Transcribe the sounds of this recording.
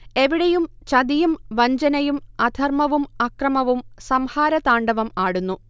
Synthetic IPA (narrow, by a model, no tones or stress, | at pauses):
e̞ʋiɽɐjum | t͡ɕɐd̪ijumʋɐɲd͡ʑɐnɐjumɐd̪ʱɐrmɐʋumɐkrɐmɐʋumsɐmhaːɾɐt̪aːɳɖɐʋɐmaːɽunːu